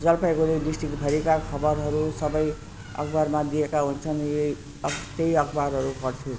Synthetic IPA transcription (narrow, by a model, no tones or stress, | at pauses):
d͡zʌlpajkoleɖisʈrikbʱʌɾekakʰʌbʌɾɦʌɾusʌbʌj | ʌ̰kbarmad̪iekaɦunt͡sʰʌne | t̪ejʌkbaɾɦʌɾupʌrt͡sʰu